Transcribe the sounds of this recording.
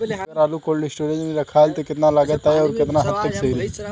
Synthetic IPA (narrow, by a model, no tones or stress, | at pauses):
ɐɾaːlukoːlɖisʈoːɾẽd͡ʒniɾɐkʰaːlt̪ekɪt̪nalaːɡət̪aɦɛɔːɾkɪt̪naɦɐt̪ːəkseːɾi